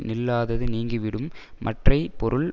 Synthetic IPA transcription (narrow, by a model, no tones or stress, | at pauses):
nɪlːaːðɐðɯniːŋɡiʋɪɽɯmː | ɐʈrɐɪpɔɾɯɭ